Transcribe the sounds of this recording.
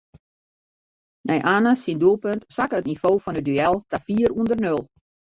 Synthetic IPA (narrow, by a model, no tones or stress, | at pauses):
nʔɛjʔaːnəsinduəlˠpøntsakːtnifoːfɔnədyɛlˠtafiːərundərnølˠ